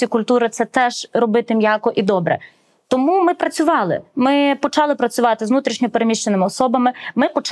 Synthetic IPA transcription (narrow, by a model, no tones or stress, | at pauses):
ikʊlʲt̪uɾɪt̪sɛt̪ɛʒ̥ɾɔbɪt̪ɪmʲjɑkɔʔid̪ɔbɾɛ̰ | t̪ɔmumɪpɾɐt͡sʲʊʋɑlˠɪ̰mɪpɔt͡ʃɑlˠɪpɾɐt͡sʲʊʋɑt̪ɪzʋnut̪ɾʲiʃnʲɔpeɾemʲiʃt͡ʃenɪmɪɔsɔbɐmɪmɪpɔt͡ʃ